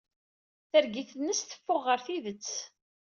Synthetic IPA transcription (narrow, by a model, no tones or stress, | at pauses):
θəɾɡiθnːəsθə̥fːʊʁːəɾθiðət͡sː